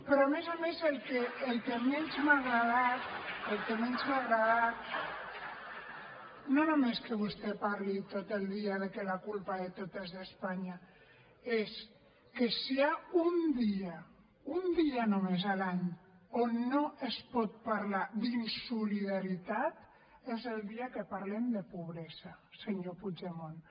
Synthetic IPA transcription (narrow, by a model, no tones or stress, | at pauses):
pɾɔamezamezelkeːlkemeɲzmaɣɾaðat̪elkemeɲzmaɣɾaðat̪̚ | nonomeskəβust̪epaɾlit̪ot̪elˠd̪iaðekelakulpaðet̪ot̪ezðespaɲa | es | kesiaund̪ia | und̪ianomezalaɲ | onːoʔespɔt̪̚paɾlad̪insuliðaɾit̪at̪ | ezeld̪iakepaɾlemd̪epuβ̞ɾezaseɲopud͡ʒemon